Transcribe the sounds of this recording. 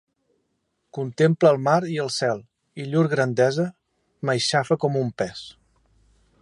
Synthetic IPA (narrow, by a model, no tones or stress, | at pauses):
kunt̪empləːlˠmaɾiəlˠsɛlˠ | iʎuɾɣɾənd̪ɛzə | məjʃafəkɔmumpɛs